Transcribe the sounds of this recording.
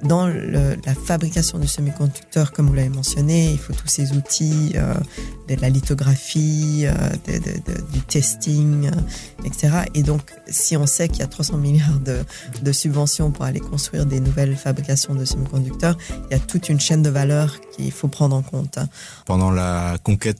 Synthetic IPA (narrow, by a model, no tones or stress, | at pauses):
d̪ɑ̃lə̰lafabʁikasjɔ̃d̪əsəmikɔ̃d̪yk̚t̪œʁkɔmvulavemɑ̃sjɔneilfot̪ʰusezut̪ʰiø̰d̪əlalit̪ɔɡʁafiø̰d̪ə̰d̪ə̰d̪ə̰d̪yt̪ɛst̪iŋ | ɛkse̥t̪eʁaʔed̪ɔ̃k | siɔ̃sɛkiljat̪χwasɑ̃miljaʁd̪ə | d̪əsybvɑ̃sjɔ̃puʁalḛkɔ̃st̪χɥḭʁd̪enuvɛlfabʁikasjɔ̃d̪əsəmikɔ̃d̪yk̚t̪œʁiljat̪ut̪ynʃɛnd̪əvalœʁkʲḭlfopχɑ̃d̪ʁɑ̃kɔ̃t̪ | pɑ̃d̪ɑ̃lakɔ̃kʲɛt̪